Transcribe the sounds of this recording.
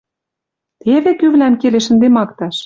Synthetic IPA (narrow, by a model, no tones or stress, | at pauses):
t̪eβĕkyβlæmkeleʃə̆nd̪emɑkt̪ɑʃ